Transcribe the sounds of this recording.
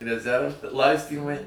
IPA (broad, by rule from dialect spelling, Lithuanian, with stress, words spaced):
rʲɛˈzʲɛrʋ ˈlˠɐɪsʲtʲiːmɐɪ